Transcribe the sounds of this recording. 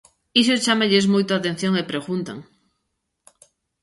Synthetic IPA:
isot͡ʃameʎezmojt̪oat̪ẽn̟θjõŋepɾeɣunt̪a̰ŋ

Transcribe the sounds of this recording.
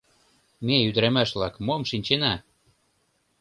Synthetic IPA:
meyd̪ə̆ɾæmæʃβlɑkmomʃinʲt͡ɕenæ

